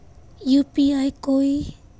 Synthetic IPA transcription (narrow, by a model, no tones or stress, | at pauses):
jupiajkoi